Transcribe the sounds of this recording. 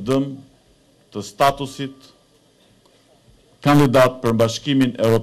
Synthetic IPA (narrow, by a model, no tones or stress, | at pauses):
d̪əm | t̪əst̪at̪usit̪ | kand̪id̪at̪̚pəɾmbaʃkiminɛvɾɔ